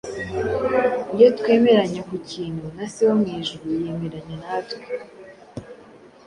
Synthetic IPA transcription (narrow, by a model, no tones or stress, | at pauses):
ijotwe̞ːme̞ɾaɲekuciːnhunasiwomŋiːʒuɾuje̞ːme̞ɾaɲenatwe